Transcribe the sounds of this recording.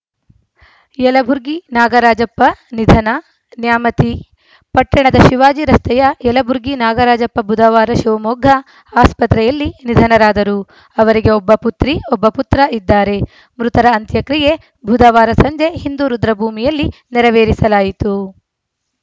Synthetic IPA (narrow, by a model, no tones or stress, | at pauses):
jɛlɐbʱuɾɡinaːɡɐɾaːd͡ʒɐpːɐnid̪ʱɐnɐ | njaːmɐt̪i | pɐʈːɐɳɐd̪ɐʃiʋaːd͡ʒiɾɐst̪ʰɛjɐjɛlɐbʱuɾɡinaːɡɐɾaːd͡ʒɐpːɐbʱud̪ɐʋaːɾɐʃiʋɐmɔːɡʱɐ | aːspɐt̪ɾɛjɐlːinid̪ʱɐnɐɾaːd̪ɐɾu | ɐʋɐɾiɡe̞ɔbːɐput̪ɾiɔbːɐput̪ɾɐʔid̪ːaːɾe̞ | mɾut̪ɐɾɐːnt̪jɐkɾije̞ | bʱud̪ɐʋaːɾɐsɐɲd͡ʒeɦind̪uːɾud̪ɾɐbʱuːmijɐlːinɛɾɐʋeːɾisɐlaːjit̪u